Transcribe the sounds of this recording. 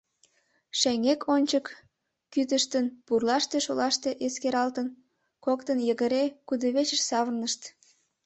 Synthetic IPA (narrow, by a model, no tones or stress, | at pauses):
ʃæŋekʰonʲt͡ɕəkː | yt̪əʃt̪ənpurlɑʃt̪eʃolɑʃt̪eʔeskeɾɑlt̪ən | kokt̪ənjəɣəɾekud̪əβet͡ɕəʃsɑβərnəʃt̪